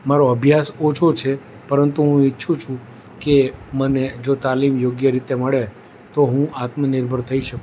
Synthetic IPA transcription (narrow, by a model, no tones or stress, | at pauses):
maɾoəbʱjasot͡ʃʰot͡ʃʰe | pəɾənt̪uɦũitːʃʰũt͡ʃʰũ | keməned͡ʒot̪alimjoɡjəɾit̪eməɭe | t̪oɦũat̪mənɪɾbʱəɾt̪ʰəiʃək